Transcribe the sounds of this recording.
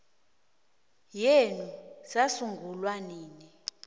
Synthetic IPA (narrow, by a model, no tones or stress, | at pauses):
jenusasuŋɡʱulwaniːni